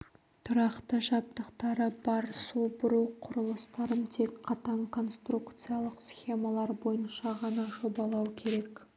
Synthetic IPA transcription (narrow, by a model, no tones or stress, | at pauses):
t̪ʰʊɾɑqt̪əʒɑp̚t̪əqt̪ɑɾəbɑɾsubʊɾuwqʰʊɾəlˠəst̪ɑɾəmt̪ʰe̞kqʰɑt̪ɑɴkʰo̞nst̪rukt̪sɨjɑlˠəqsxʲe̞mɑlˠɑɾbo̞jənʃɑʁɑnɑʒo̞bɑlˠɑwkʲʰe̞ɾe̞k